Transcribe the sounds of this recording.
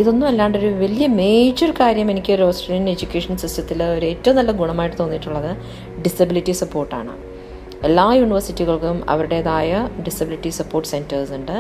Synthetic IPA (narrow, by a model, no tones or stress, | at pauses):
iðo̞nːumelːaːɳɖo̞ɾuʋɐlijɐme̞ːd͡ʑoɾukaːɾjɐme̞nikʲːoɾoːsʈriːned͡ʑukʲːe̞ːʂɐnsistjɐt̪ːilo̞ɾue̞ːtːɐʋɐmnɐlːɐɡuɳɐmaːjiʈːɨt̪o̞ːnːiʈːuɭːɐðɨ | ɖisɐbilitːisɐpːo̞ːrʈːa̰ːɳɨ̰ | elːaːjuːɳiʋɐrsitːiɣɐɭkumɐ̰ʋɐɾuɽe̞ɐðaːjɐɖisɐbiliʈːisɐpːo̞ːrʈːɨ̥se̞ndɐrsuɳɖɨ